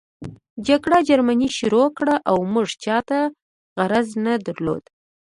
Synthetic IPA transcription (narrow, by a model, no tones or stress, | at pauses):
d͡ʒaɡɽad͡ʒaɾmaniʃʊɾokɽaʔawmuʐt͡ʃɑt̪a | ɣaɾaznad̪aɾlo̰d̪̥